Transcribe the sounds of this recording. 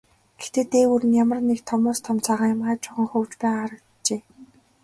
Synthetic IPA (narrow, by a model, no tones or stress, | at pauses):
ɡ̥et̪eːt̪eːwurɘ̆njamə̆rnːekt̪ʰɔmʊːst̪ʰɔmt͡saːʁaːŋjʊmʁaːt͡ɕʰʊʁə̆ŋxɵwt͡ɕpæːʁaːɾə̆k | t͡ɕeː